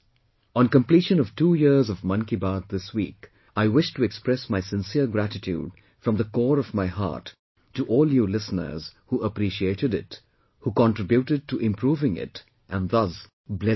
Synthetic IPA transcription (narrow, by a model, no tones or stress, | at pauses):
ə̃nkə̃mpliːʃə̃nʌv̥tuːjɪɹzʌvmʌ̃nkibad̪̚ðɪswḭːk | aɪwɪʃtʰuɛkspɹɛsmaɪsɪ̃nsiəɾɡɾætɪtʰjṵːd | fɹʌ̃mðəkɔːɾɔvmaɪɦa̰ɹtː | uʔɔːlˠjulɪsnə̰˞z̥huːʔəpɾiʃieɪɾɨɾɪt | hukɑ̃ntɹ̥ɪbjutɨd̚tuʔɪ̃mpʰɾuːvɪ̃ŋɪ̰t | ʔæ̃nðʌs | blɛ